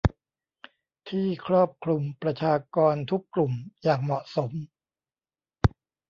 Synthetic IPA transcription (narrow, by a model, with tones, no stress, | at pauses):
t̪ʰiː˥˩kʰɾɔː˥˩p̚kʰɾu˧mpɾa˧t͡ɕʰaː˧kɔː˧nt̪ʰu˦˥kːlu˨˩mjaː˨˩ŋmɔ˨˩ʔso˩˦m